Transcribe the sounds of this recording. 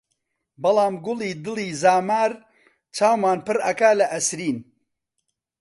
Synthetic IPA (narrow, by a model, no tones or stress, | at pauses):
bɐlɑːmɡʊlˠiːd̪ɨliːzaːmaːɾ | t͡ʃʰaːwmaːnpɨɾɐkalɐʔɐsɾiːn